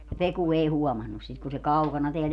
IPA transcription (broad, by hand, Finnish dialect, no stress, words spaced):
jɑ peku ei huɔmɑnːus sit kun se kɑukɑnɑ teæl